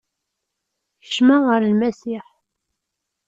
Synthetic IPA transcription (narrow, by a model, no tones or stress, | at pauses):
ə̥ʃmæʁəɾlmæsiħ